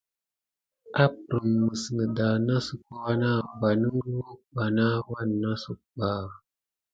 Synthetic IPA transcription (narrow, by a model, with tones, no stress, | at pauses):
ʔa˦pɾə˨mːə˨snə˨da˨na˦su˨k̚o˦wa˦na˦˨ba˨nə˦ŋ˦ɾwo˦ba˨na˦wa˦nːa˦su˨k̚k͡pa˨